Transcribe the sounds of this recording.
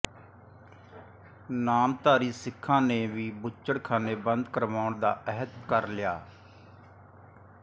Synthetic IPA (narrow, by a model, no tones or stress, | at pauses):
naːmt̪aːɾiːsɪkʰːãːneːʋiːbʊt͡ʃːəɽkʰaːneːbənd̪kəɾʋaːʊɳd̪aːʔɛɦət̪kəɾlɪjaː